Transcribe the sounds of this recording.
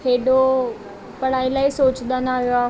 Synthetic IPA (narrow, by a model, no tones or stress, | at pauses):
eːɗo | pɐɽ̤aːilaːisoːt͡ɕd̪ənaːɦijoaː